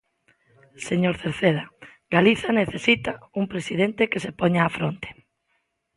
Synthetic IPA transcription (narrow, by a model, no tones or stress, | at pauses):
seɲoɾθeɾθeða | ɡ̥aliθaneθesit̪auŋpɾesiðent̪ekesepoɲaːfɾont̪e̥